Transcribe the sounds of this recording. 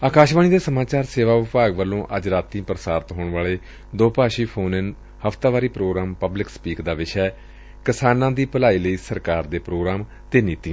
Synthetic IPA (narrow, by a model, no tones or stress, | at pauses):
aːkaːʃʋaːniːd̪eːsəmaːt͡ʃaːɾseːʋaːʋɪpaːɡʋəlːõːʔəd͡ʒɾaːt̪ĩːpɾəsaːɾt̪ɦoːɳʋaːleː | d̪oːpaːʃiːpʰoːnɪn | həfʰt̪aːʋaːɾiːpɾoːɡɾaːmpəblɪkspiːkd̪aːʋɪʃɛː | kɪsaːnãːd̪iːpəlaːiːləiːsəɾkaːɾd̪eːpɾoːɡɾaːm | t̪eːniːt̪ĩː